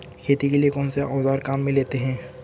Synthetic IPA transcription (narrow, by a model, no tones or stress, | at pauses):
kʰeːt̪ikeliekɔːnseʔɔːzaːɾkaːmːẽleːt̪eɦɛ̃ː